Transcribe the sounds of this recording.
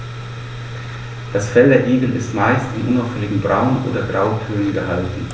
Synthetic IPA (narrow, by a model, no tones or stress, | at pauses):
d̥asfɛldeːɐʔiːɡl̩ɪ̰stmaɪstɪnʔʊnaʊfɛlɪɡŋ̩bʁaʊnʔo̰ːdɐɡʁaʊkʰøːnənɡəhaltn̩